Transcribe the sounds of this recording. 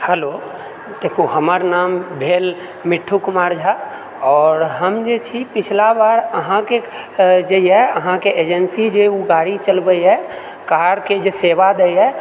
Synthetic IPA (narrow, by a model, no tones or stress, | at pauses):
həlo | d̪̥eːkʰoɦəməɾnaːmbʱeːl | mɪʈʰːukmaːɾd͡ʒʱa | ɔːɾɦəmd͡ʒet͡ʃʰipɪt͡ʃʰlabaːɾəɦãke | d͡ʒeɦɛəɦãkeʔeːd͡ʒənsid͡ʒeuɡaːɽit͡ʃəlbəjɦɛ | kaːɾked͡ʒeseːʋad̪ɛjɦɛ